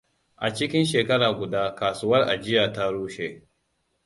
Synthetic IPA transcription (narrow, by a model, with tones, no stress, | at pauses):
ʔa˨t͡ʃɪ˦kʲɪ˦nʃeː˨kɐ˦ɽaː˨ɡʷʊ˨daː˦kaː˨sʊ˦wɐ˦rʔa̰˨d͡ʒɪ˦jaː˨ta˦ɾuː˦ʃe˦